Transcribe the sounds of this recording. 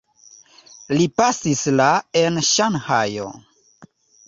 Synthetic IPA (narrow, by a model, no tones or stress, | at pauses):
lipasislae̞nʃanhajo̰